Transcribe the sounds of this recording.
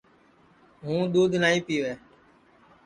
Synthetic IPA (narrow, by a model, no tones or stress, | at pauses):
ɦũːɗ̪uːd̪ʱnaːĩːpiːʋeː